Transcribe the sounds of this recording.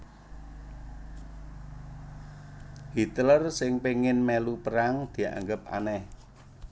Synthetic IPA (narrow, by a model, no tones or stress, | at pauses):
hit̪lərsɪŋpeŋɪnmɛlupəɾaŋd̪̥i̤a̰ŋɡəp̚a̰nɛh